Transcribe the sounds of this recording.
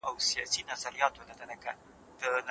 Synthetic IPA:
ʔawsijɑsinazaɾijɑt̪onad̪anaka | d̪̥ən

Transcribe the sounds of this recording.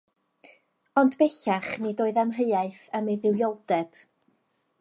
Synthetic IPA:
ɔndbɛɬaχnidoːɨðamɦəɨaɨθəmeðɪwjɔlˠd̥ɛb̥

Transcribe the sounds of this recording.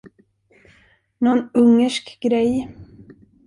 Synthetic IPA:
nɔnɵŋːəʂkɡɾɛj

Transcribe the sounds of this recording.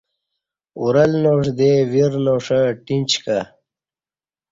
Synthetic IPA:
ṵɾɐlnoːʂ̬d̪eviɾnoʂə̃ʈint͡ɕka

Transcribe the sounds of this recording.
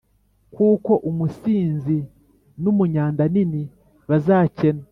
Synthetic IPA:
kuːko̞ʔumusiːnzi | numuɲaːndanini | βazaːcena

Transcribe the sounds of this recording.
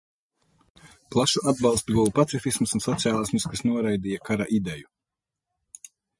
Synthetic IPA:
plˠaʃuad̪̚balˠst̪uɡuwupat̪sifismsunsɔt̪siaːlˠasmuskasnuɔɾajd̪ijakaɾa̰ʔid̪ɛju

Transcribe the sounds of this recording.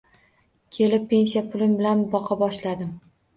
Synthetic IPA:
kʲʰe̞lɪpʰːe̞nsijapʰʊlɪmbɪlanbɒqʰɑbɒʃlad̪ɪm

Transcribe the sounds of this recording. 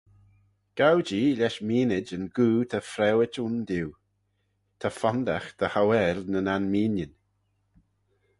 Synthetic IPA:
ɡ̥awd͡ʒiːlɛʃmiːnɪd͡ʒənɡuːt̪ʰafɾɛwɪtund̪iw | t̪ʰafɔnd̪axd̪̥əhawɛlnənanmiːnjən

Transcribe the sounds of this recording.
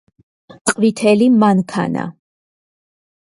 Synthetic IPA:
tqʼvit̪ʰɛlimaŋkʰa̰na̰

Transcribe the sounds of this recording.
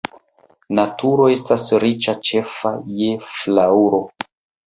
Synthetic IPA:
natuɾo̞e̞stasɾit͡ʃat͡ʃe̞fa̰jeflauɾo̞

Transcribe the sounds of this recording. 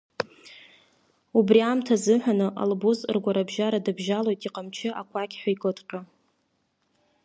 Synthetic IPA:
ubriamtʰazɨħʷᶣanɨʔa̰lbuz̰rɡʷaɾabʒaɾadɨbʒalo̞jtʼiqʼamt͡ʃʰɪʔakʷʰakʲħʷᶣaikʼɨtʼqʲʼa

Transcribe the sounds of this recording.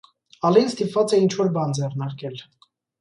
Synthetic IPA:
ɑlinst̪ipvɑt͡sɛint͡ʃʰvɔɾbɑnd͡zɛrnɑɾkɛl

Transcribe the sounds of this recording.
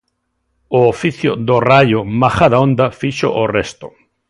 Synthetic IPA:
ʊofiθjʊðorajʊmaxaðaõnd̪afiʃo̰ʔorest̪ʊ

